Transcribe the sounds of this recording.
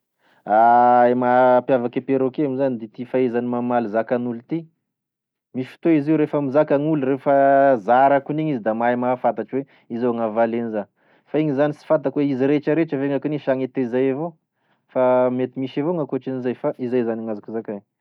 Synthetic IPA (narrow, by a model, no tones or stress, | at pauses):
aemapjavakepeɾokeamizanid̪it̪ifaezanimamalizakanulut̪i | mifi̥t̪oiziwɾefamizakaŋuluɾefazaɾakuniɲizid̪amaemafat̪aʈ͡ʂiwe | izoaŋavalenizan | faiɲizanisi̥fat̪akweiziɾeʈ͡ʂəɾeʈ͡ʂəveŋakuniʃaŋet̪ezajavo | famet̪imiʃavoŋakuaʈ͡ʂinizajfaʔizajzaniŋazakuzakaɲ